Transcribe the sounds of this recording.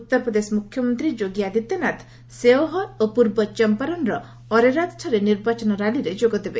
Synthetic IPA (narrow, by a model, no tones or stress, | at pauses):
ut̪ːɔɾpɾɔd̪esɔmukʰjɔmɔnt̪ɾid͡ʒoɡjad̪it̪ɔnat̪ʰ | seɔɦɔopuɾbɔt͡ʃɔmpaɾɔnɾɔ | ɔɾeɾat̪ʈʰɔɾeniɾbat͡ʃɔnɔɾaliɾed͡ʒoɡɔd̪ebe